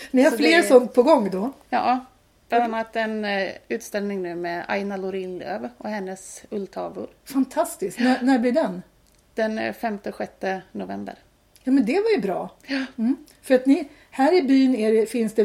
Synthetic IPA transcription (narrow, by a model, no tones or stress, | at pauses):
mɛnjahaɾfleːɾsɔnt̪̚pʰɔɡɔŋːd̪ɔjɑ̰ː | bland̪anːat̪ɛnʉ̟ːt̪st̪ɛlnɪŋnʉ̟ːmɛa̰jnalʊɾɪnlø̰ːvɔhɛnːəsɵlt̪ʰɑːvʊ̰ɾfant̪ʰast̪ɪsk̪nænæblɪɖ̪ɛn | d̪̥ɛnfɛmt̪əɧɛt̪ːənʊvɛ̰mbə̰ɾ | jɑːmɛnd̪ɛvajɵbɾɑːm̩ː | fœɾat̪nɪ | hæːɾɪbyːneːɾfɪnsd̪ɛ